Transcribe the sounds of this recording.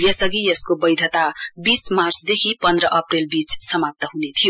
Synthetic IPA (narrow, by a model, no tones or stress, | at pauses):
jʌsʌɡijʌskobʌjd̪ʱʌt̪abismarsd̪ekʰipʌnd̪ɾʌʔʌprelbit͡ssʌmap̚t̪ʌɦunet̪ʰijo